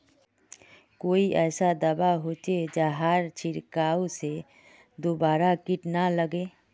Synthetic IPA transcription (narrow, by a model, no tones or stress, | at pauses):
koːiʔɛːsad̪əbaɦoːt͡ʃed͡ʒaɦaːɾt͡ʃʰɪɾkaːose | d̪oːbaːɾakɪʈnaləɡeː